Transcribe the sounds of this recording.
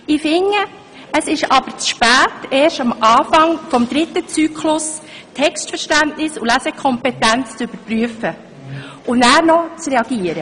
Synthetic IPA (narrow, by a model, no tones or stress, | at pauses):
ɪfɪŋːə | əsɪʃɑb̥əɾt͡sʃpæːteːʃtɑmɑːfɑŋfɔmd̪ɾɪtːət͡syːkʰlʊs | tʰɛkstfəɾʃtæntnɪsulæsɛkʰɔmpɛtænt͡st͡sʏb̥əɾpryəfə | ʊnæːɾnɔt͡srɛɑɡ̥iːəɾə